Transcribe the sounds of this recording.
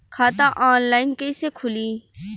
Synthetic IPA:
kʰaːt̪aʔaːnlaːɪnkeisekʰʊliː

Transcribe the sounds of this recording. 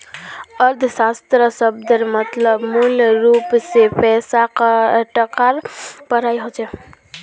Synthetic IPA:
əɾd̪ʱsast̪ɾəsəb̚d̪əɾmət̪ləbmulɾupsepɛsakʈəkaɾpəɾajɦot͡ʃʰɛ

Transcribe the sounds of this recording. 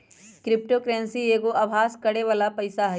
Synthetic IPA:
kɾɪp̚ʈokɾɛ̃ːnsieːɡoʔaʋʱaːskɐɽeʋaːlapɐɪsaɦɐ

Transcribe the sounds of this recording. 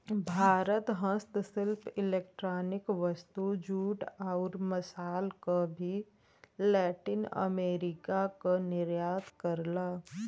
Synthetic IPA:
bʱaːɾət̪ɦə̃st̪sɪlpʰɪleːkʈɾaːnɪkʋəst̪ud͡ʒuːʈaʊɾməsaːlkabʱi | lɛːʈɪnə̰meːɾɪkakanɪɾjaːt̪kəɾlaː

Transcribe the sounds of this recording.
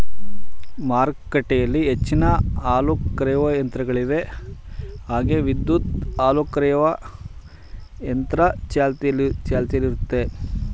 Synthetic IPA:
maːɾkkːɐʈɛjɐlːiɦet͡ʃːinɐaːlukːɾɐjɐʋɐjɐnt̪ɾɐɡɐɭiʋe̞ | ɦaːɡeʋid̪ːut̪aːlukːɾɛjɐʋɐ | jɐnt̪ɾɐt͡ʃaːlt̪lt͡ʃaːlt̪ijɐliɾut̪ːe̞

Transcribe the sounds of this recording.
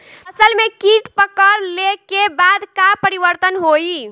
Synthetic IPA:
əsəlmekiʈpəkəɾlekebad̪kapəɾibəɾt̪ənɦoi

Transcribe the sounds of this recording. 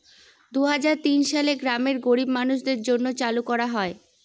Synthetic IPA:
d̪uɦad͡ʑaɾt̪inʃaleɡɾameɾɡoɾibmanuʃd̪eɾd͡ʑonːot͡ɕalukɔɾaɦɔe

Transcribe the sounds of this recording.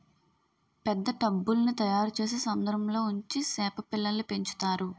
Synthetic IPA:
pɛd̪ːɐʈɐbːulɐnit̪ɐjaːɾut͡ʃe̞ːs̬eːsɐnd̪ɐɾɐmlo̞ːuɲt͡ʃisɛːpɐpilːɐlːipe̞ɲt͡ʃu̥t̪aːɾu

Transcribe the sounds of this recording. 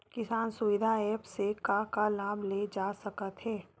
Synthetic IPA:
kɪsaːnsʊʋɪd̪ʱaɛːpsekakalaːbled͡ʒaːsɐkət̪ɦɛː

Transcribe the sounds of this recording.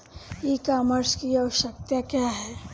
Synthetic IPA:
jekaːməɾskiɐʋəʃək̚t̪jakjaɦɛː

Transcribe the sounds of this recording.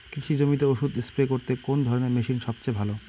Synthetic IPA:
kɾiʃid͡ʑomit̪̬eoʃud̪esplekoɾt̪ekond̪ʱɔɾoneɾmeʃinʃɔbt͡ɕebʱalo

